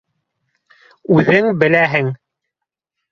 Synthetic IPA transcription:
ʉðɘŋbɘ̆læɦɘŋ

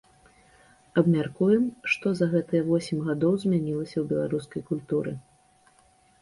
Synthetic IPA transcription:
ɐbmʲarkujɛmʂt̪ɔzɐɣɛt̪ɨjɐvɔsʲimʲɣad̪ɔwzʲmʲanʲilˠɐsʲɐwbʲɛlˠaɾuskɐjkulʲt̪uɾɨ̰

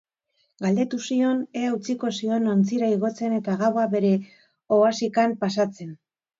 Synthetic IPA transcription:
ɡald̪e̞t̪usio̞neaut͡siko̞sio̞nont͡siɾaiɣ̞o̞t͡se̞ne̞t̪aɣawabe̞ɾe̞ | oasikampasat͡se̞n

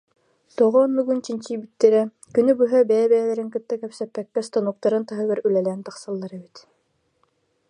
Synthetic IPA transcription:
soʁɔnbɵ̆ɡʉnt͡ɕint͡ɕibit̪ːɘɾæ | kɵ̆nɘbuɦæbæjæbæjælæɾɘŋkɯ̆t̪ːɑkæwsæpːækːæst̪onuq̚t̪ɑɾɤnt̪ɑɦɤβɘɾʉlælæænt̪ɑqsɑlˠːɑɾɤbit̪

